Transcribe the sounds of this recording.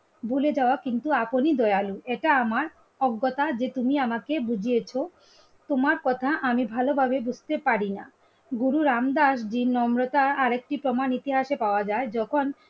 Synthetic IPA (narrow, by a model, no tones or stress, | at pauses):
buled͡ʑaoakint̪uaponid̪ɔealueʈaamaɾ | ɔɡːot̪ad͡ʑet̪umiamakebud͡ʑʱijet͡ɕʰo | t̪omaɾkɔt̪ʰaʔamibʱalobʱabebud͡ʑʱt̪epaɾina̰ | ɡuɾuɾamd̪aʃd͡ʑinːɔmɾot̪aaɾek̚ʈipɾomanit̪iɦaʃepaoad͡ʑaed͡ʑɔkʰon